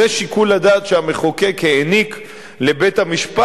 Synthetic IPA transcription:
eʃikulad̪aːt̪ʃeame̞χoke̞keːnik | le̞be̞t̪hamiʃpa

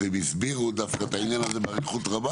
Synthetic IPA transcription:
emisbiʁud̪afkat̪ainjanazebaʁiχut̪ʁaba

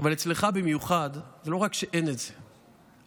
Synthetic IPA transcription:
avalet͡sleχabimjuχad̪zelo̞ʁakʃeʔe̞netz̥e

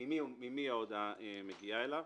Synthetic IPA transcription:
imiumimiaod̪aemeɡiaelav

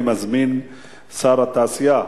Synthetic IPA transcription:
mazmin | saɾat̪aːsija

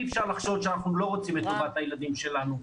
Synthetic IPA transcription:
ɛfʃaʁlaχʃo̞d̪ʃeanaχnulo̞ʁo̞t͡simːet̪uvat̪ajelad̪imʃe̞lanu

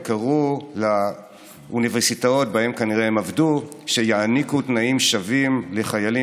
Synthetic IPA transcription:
kaʁula | ʔuniveʁsitao̞t̚bae̞mkaniʁeemavdu | ʃe̞jaanikutnaimʃavimle̞χajali

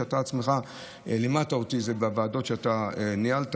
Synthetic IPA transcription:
at̪aːt͡smeχa | elematao̞t̪izebeavaːdo̞tʃeataenialt

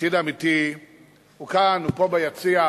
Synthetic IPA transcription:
idamiti | ukanupɔbajat͡sia

